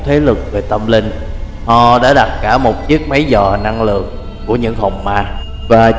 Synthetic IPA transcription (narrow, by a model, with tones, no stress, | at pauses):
t̪ʰe˨˦lɨ˨˩k̚ve˨˩t̪ə˧mlï˧ŋ | ʔɔ˨˩ɗa̰ː˧˥ɗa˨˩t̚kaː˧˩mo˨˩t̚t͡ɕi˦˥ək̚mə˨˦jzɔː˨˩na˧ŋlɨ̰˨˩ək̚ | ku˧˩əɲɨ̰˧˥ŋɦə˨˩wŋ͡mmaː˧ | vaː˨˩